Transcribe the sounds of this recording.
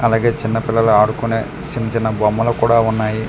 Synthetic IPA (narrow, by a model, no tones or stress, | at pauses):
ɐlaːɡe̞ːt͡ʃinːɐpɪlːɐluaːɽukune̞ː | t͡ʃinːɐt͡ʃinːɐbɔmːɐlukuːɽaːunːaːji